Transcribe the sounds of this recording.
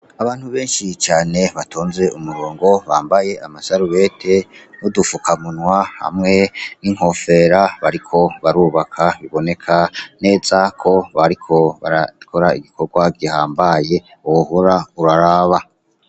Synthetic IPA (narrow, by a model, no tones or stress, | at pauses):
aβaːn̥huβe̞ːnʃit͡ʃaːne̞βatʰoːnze̞ʔumuɾoːŋɡo̞βaːmbaje̞amasaɾuβe̞tʰe̞nudufukamunwaha̰mŋe̞niŋ̥ho̞fe̞ɾaβaɾikʰo̞βaɾuːβakʰaβiβo̞ne̞kʰane̞ːzakʰo̞βaɾikʰo̞βa̰ɾakʰo̞ɾaḭɡikʰo̞ɾɡwaɡihaːmbaje̞ | ohuɾauɾaɾaːβa